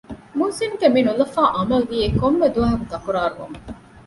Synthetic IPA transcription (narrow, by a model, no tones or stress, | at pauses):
muːsinɡeminulɐfaːʔɐmɐlʋiːekomːed̪uʋɐɦɐkud̪ɐkuɾaːɾuʋɐ̰mɐ